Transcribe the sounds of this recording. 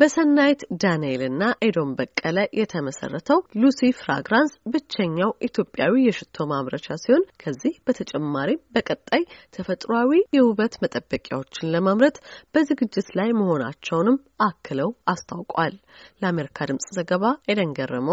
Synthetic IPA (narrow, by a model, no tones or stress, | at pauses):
bəsənːajt̪d̪anelɨnːaʔed̪o̞mbəkʼːələjʔɛt̪ʰəməsə̰rːət̪ʰəwlusifɾa̰ɡɾansbɨt͡ʃːɛɲːawʔit̪ʰjo̞pʼːjawijɛʃɪt̪ʰːo̞maβɾət͡ʃasiho̞nkʰəzːihb̥ət̪ʰət͡ʃʼɛmːaɾimbəkʼət̪ʼːajt̪ʰəfət̪ʼɾawijɛhuβət̪mət̪ʼəbːəkʼja̰wo̞t͡ʃːɪnləmaβɾət̪b̥əzɨɡɨd͡ʒːɪt̪lajməho̞na̰t͡ʃːɛwnɨm | ʔakʰːɨləwast̪ʰawkʼwalləame̞ɾikʰad̪ɨmsʼzəɡəβaɛd̪əŋɡərːəməw